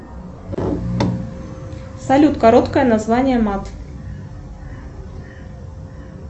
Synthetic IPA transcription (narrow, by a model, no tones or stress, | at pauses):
salʲut̪kɐɾot̪kəjənazvanʲɪjəmat̪